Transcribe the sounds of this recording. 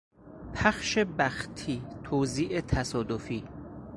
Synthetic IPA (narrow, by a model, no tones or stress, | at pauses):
pʰæxʃebæxt̪ʰiːt̪ʰoːziːʔet̪ʰæsɒːd̪ofiː